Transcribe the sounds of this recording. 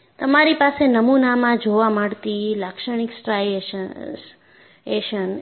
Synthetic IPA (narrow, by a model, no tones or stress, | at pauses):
t̪əmaɾipasenəmunamãd͡ʒoʋamaɽt̪ilakʃəɳ̃iksʈɾaj | eʃən